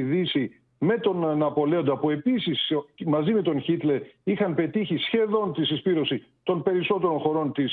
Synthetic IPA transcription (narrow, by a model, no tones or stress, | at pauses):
ðisi | me̞t̪o̞nnɐpo̞le̞o̞nd̪ɐpue̞pisismɐzime̞t̪o̞nçit̪le̞ɾixɐnpe̞t̪içisçe̞ðo̞nt̪isispiɾo̞si | t̪o̞npe̞ɾiso̞t̪e̞ɾo̞nxo̞ɾo̞nt̪is